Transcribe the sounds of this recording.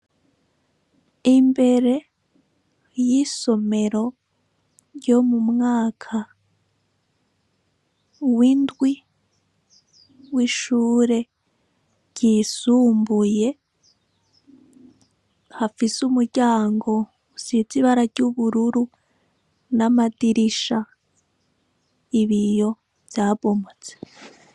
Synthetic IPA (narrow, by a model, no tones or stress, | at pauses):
imbe̞ɾe̞ | jiso̞me̞ɾo̞ | ɾjo̞mumŋaːkʰa | windɡwi | wiʃuːɾe̞ | ɟ̥iːsuːmbuje̞ | hafisumuɾɟaːŋɡo̞ | sit͡siβaɾaɟuβuɾuɾu | namadiɾiʃa | iβijo̞ | vjaːβo̞mot͡se̥